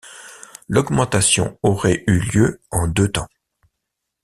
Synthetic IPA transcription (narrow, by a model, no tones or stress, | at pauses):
lɔɡmɑ̃t̪asjɔ̰̃ɔʁɛʔyljøɑ̃d̪øt̪ɑ̃